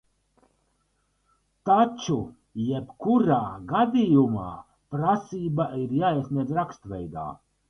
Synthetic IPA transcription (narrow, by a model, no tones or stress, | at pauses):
t̪at͡ʃu | jepkuɾaːɡad̪ijuma̰ː | pɾasiːbaiɾjaːisniɛɾakst̪vʲɛ̰jd̪a̰ː